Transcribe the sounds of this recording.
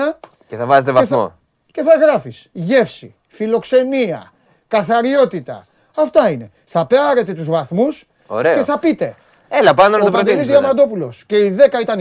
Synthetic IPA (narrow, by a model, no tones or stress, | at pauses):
ɐ | ceθɐvɐzet̪evɐeθɐoo̰ | ce̞θɐɣɾɐfisʝe̞fsi | filo̞kse̞miɐ̰ | kɐθɐɾio̞t̪it̪ɐ̰ | ɐft̪ɐine̞ | θɐpeɐɾe̞t̪e̞t̪uzvɐθmus | oɾee̞θɐpit̪e̞ | elɐpɐnonɐtt̪opɾɾod̪nizɐmɐd̪o̞pulo̞sce̞iðe̞kɐit̪ɐn